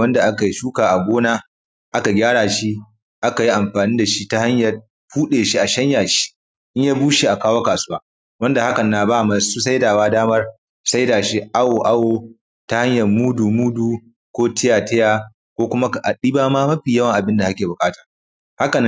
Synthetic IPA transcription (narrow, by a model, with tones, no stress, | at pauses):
wɐ˦nda˨ʔa˦ka˨ji˦ʃuː˦kaː˨ʔa˨ɡʷoː˦naː˦ | ʔa˦ka˨ɡʲaː˦ɽaː˨ʃi˦ | ʔa˦ka˨ji˦ʔa˨mɸaː˨niː˦da˨ʃi˦ta˦ha˦ɲjɐ˨ | ɸuː˦ɗeː˨ʃi˦ʔa˨ʃɐ˦ɲjaː˨ʃi̥˦ | ʔɪ˦ɲjaː˦buː˦ʃi˦ʔa˨kaː˦woː˦kaː˨sʊ˦waː˦ | wɐ˦nda˨ha˦kɐ˨nːa˨baː˦˨maː˨suː˦sa˦jdaː˨waː˦daː˦mɐ˦r | sa˦jdaː˨ʃi˦ʔa˦woː˨ʔa˦woː˨ | ta˦ha˦ɲjɐ˨rmuː˦duː˨muː˦duː˨ | kʷoː˦tɪ˦jaː˨tɐ˦jaː˨ | kʷoː˦kʷʊ˦ma˦˨ʔa˨ɗiː˦baː˦maː˦mɐ˦ɸiː˨jɐ˦wɐ˨ŋʔa˨bɪ˦nda˨ʔa˦kʲeː˨bʊ˨kʼaː˦taː˨ | ha˦ka˨n˦